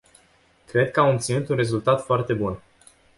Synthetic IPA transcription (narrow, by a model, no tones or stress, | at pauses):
kɾe̞d̪̚kəamɨpt̪sinut̪unre̞zult̪at̪foart̪e̞bun